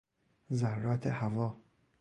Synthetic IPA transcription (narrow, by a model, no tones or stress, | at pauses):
zaɾːɒːt̪ʰehavɒː